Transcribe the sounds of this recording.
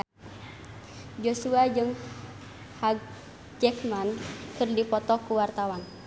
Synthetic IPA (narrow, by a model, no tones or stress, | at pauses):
d͡ʒosuad͡ʒɨŋ | haɡ̚ | d͡ʒɛkmankɨrdipɔt̪ɔkuwart̪awan